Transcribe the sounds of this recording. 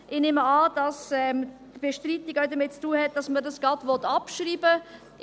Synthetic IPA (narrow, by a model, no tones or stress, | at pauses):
ʔɪneːməɑːd̥ɑsɛmdb̥eʃtriːt̪ɪɡaʊdəmɪt̚t͡stuːəhɛt̚d̥ɑsmədɑsɡ̥ɑdʋɔt̪ːɑpʃriːbə